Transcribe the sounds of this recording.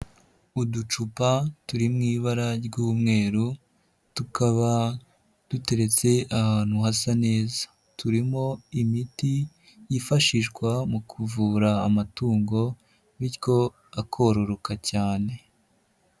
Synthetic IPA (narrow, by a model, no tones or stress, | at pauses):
udut͡ʃupatuɾimŋiːβaɾaɾɡuːmŋe̞ːɾu | tukʰaβa | d̥ute̞ɾe̞t͡se̞ahan̥huhasane̞ːzḁ | tuɾimo̞imiti | jifaʃiʃɡwamukʰuvuːɾaːmatuːŋɡo̞ | βiɾjo̞ | akʰo̞ɾo̞ɾo̞kacaːne̞